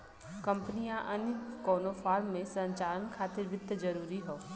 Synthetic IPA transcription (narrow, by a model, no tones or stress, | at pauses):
kɐ̃mpənijãʔɐnkɔːnofʰaːɾmːẽsɐ̃ɲt͡ʃaːlənkʰaːt̪ɪɾʋɪt̪ːd͡ʒɐɾuːɾiɦoː